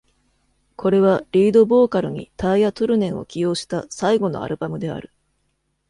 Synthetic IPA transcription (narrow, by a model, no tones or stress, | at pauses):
kʰo̞ɾe̞β̞aɾʲiːd̪o̞bo̞ːkaɾɯ̟ɲ̟ḭt̪aijat̪oɾɯ̟nẽ̞ɰ̃o̞̰kʲijo̞ːɕi̥t̪asaiɡo̞no̞̰a̰ɾɯ̟bamɯ̟d̪e̞a̰ɾɯ̟